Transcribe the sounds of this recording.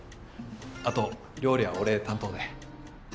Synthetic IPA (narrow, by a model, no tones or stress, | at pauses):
at̪o̞ | ɾʲo̞ːɾʲiβaoɾe̞t̪ãnt̪o̞ːd̪e